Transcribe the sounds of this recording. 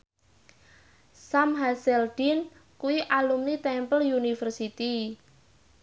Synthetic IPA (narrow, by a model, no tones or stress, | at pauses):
samɦasɛld̪̥in | kuwiʔalumnit̪ɛmpəljunifərsit̪i